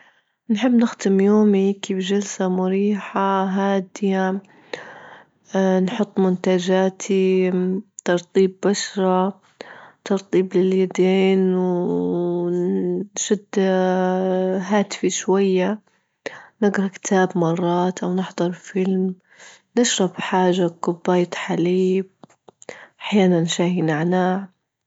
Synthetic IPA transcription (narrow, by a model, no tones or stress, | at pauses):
nħɪbːnɪxt̪ɪmjoːmikibd͡ʒalsamʊɾiːħaɦaːd̪ja | nħʊt̪ˤːmʊnt̪ad͡ʒaːt̪ʰi | t̪ɑɾˤt̪ˤiːbːaʃɾˤɑ | t̪ɑɾˤt̪ˤiːblɪljad̪eːnw | ʃʊd̪ː | ɦaːt̪fiʃwajːa | nɪɡɾˤɑkt̪ʰaːbmɑrˤːɑːt̪ʔawnɪħd̪ˤɑɾˤfɪlm | nɪʃɾˤɑbħaːʒaqʊbːaːjt̪ħaliːb̚ | ʔaħjaːnanʃaːhinaʕnaːʕ